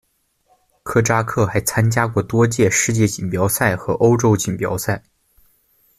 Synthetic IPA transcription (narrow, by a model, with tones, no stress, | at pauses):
kʰɤ˥˩ʈ͡ʂa˥kʰɤ˥˩xa˧˥ɪt͡sʰa˥nt͡ɕja˥kwɔ˥˩t̪wɔ˥t͡ɕjɛ˥˧ʂɻ̩˥˧t͡ɕjɛ˥˩t͡ɕi˨˩npjɑ˧˥ʊsa˥˩ɪxɤ˧˥ʔo˥ʊʈ͡ʂo˥ʊt͡ɕi˨˩npjɑ̰˧˥ʊsa˥˩ɪ